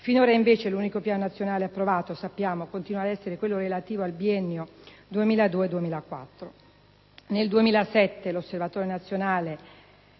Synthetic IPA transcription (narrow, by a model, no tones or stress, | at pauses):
finoːɾaiɱveːt͡ʃeluːnikopjaːnonat̪sːjonaːleapːɾovaːt̪osapːjaːmokont̪inwad̪ɛsːeɾekwelːoɾelat̪iːvoalbiɛnːjod̪uemiːlad̪uːed̪uemiːlakwa̰t̪ːɾo | neld̪uemiːlasɛt̪ːelosːervat̪oːɾenat̪sːjonaːle